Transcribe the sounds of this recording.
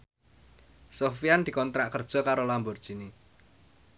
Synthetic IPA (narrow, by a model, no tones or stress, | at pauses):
sofiand̪̥i̤kɔnt̪ɾaʔkərd̥ʒ̥ɔ̤kaɾolambɔrd̥ʒ̥i̤ne